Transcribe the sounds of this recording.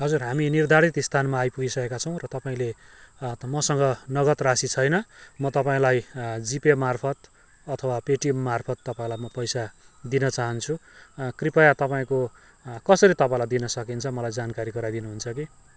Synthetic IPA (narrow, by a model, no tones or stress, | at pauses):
ɦʌd͡zurɦaminird̪ʱaɾit̪st̪ʰanmaːjpuɡisʌkekat͡sʰʌ̃w̃rʌt̪ʌpaĩle | mʌsʌŋɡʌnʌɡʌt̪rasit͡sʰʌjnʌmʌt̪ʌpaĩlajd͡zipemarpʰʌt̪ | ʌt̪ʰʌwapeʈiemːarpʰʌt̪ːʌpaĩlajmʌpʌjsad̪inʌt͡saɦʌnt͡sʰukripajat̪ʌpaĩko | kʌsʌɾit̪ʌpãĩlajd̪inʌsʌkint͡sʰʌmʌlajd͡zankaɾiɡʌɾajd̪inuɦunt͡sʰʌki